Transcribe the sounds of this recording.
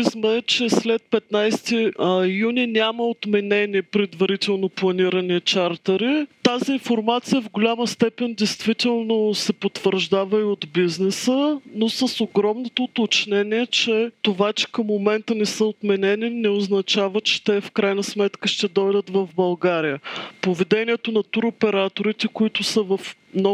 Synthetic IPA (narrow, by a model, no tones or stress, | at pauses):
smɛːt͡ʃɛslɛt̪̚pɛt̪najst̪ijunʲinʲaməot̪mɛnɛniɛpɾɛd̪vɐɾit̪ɛlˠnoplˠɐniɾənit͡ʃaɾt̪əɾit̪aziːnfoɾmat̪sijəvɡʊlʲaməst̪ɛpɛnʲd̪ɛjst̪vit̪ɛlˠnosɛpot̪vəɾʒd̪avəiod̪biznɛsənosəsoɡɾɔmnot̪oːt̪ot͡ʃnɛniɛt͡ʃɛt̪ovat͡ʃɛ̥kəmːomɛnt̪ənɛsəot̪mɛnɛninɛoznɐt͡ʃavət͡ʃɛ̥t̪ɛfkɾajnəsmɛt̪kəʃt̪ɛd̪ɔjd̪ət̪vəvbɐlˠɡaɾijəpovɛd̪ɛniɛt̪onɐt̪uɾopɛɾat̪oɾit̪ɛkʊit̪ʊsəvɐfmnɔ